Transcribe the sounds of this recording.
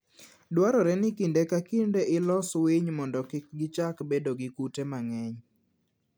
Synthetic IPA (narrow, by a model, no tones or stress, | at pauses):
dwaɾɔɾɛnɪkindekakindeʔɪlɔsweɲmɔndɔkɪk̚ɡɪt͡ʃakbedoɡɪkutemaŋɛɲ